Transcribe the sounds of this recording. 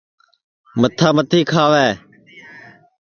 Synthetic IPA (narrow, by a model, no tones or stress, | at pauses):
mət̪ʰːaːmət̪ʰiːkʰaːʋɛː